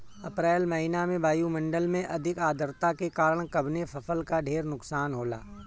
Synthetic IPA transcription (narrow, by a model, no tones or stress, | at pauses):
ɐpɾɛːlmɐɦinamẽbaːjumɐ̃ɳɖəlmẽʔɐd̪ʱɪkaːd̪ʱəɾt̪akekaːɾəɽ̃kɐbʱnefɐfʰəlkaɖʱeːɾnʊksaːnɦoːla̰ː